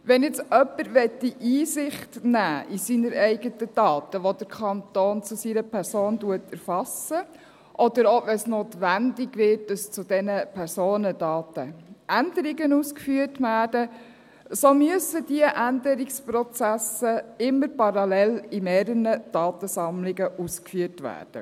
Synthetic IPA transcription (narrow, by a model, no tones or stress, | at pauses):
ʋɛnjɛt͡sœpːəɾʋɛtːiʔiːsɪχtnæːʔisinəɾɛɪɡətəd̥ɑːt̪əʋod̥̪əɾkʰɑnt̪oːnt͡sʊsiɾəpʰæɾsoːnduətɛɾfɑsə | ʔɔd̪əɾoʋɛnsnoːt̪ʋændɪɡʋɪːt̚dɑst͡sʊd̥ɛnəpʰɛɾsoːnədɑːtəʔændəɾɪɡənuːskfyəɾtʋæːɾd̥ə | somyəsədiəʔænd̪əɾɪkspɾɔt͡sæsəɪmːəɾpɑɾɑlɛlimɛːɾənəd̥ɑːt̪əsɑmlɪɡəʔuːskfyətʋæ̰ːɾd̥ə̰